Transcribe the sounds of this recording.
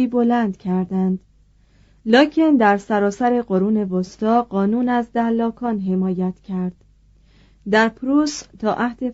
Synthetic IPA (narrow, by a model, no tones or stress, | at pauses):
iːbo̞lænd̪cʰæɾd̪ænd̪̥ | lɒːcʰe̞nd̪æɾsæɾɒːsæɾe̞ɢoɾuːne̞vost̪ʰɒːɢɒːnuːnæzd̪ælːɒːkʰɒːnɦe̞mɒːjæt̪cʰæɾd̪̥ | d̪æɾpʰɾuːst̪ʰɒːʔæhd̪e̞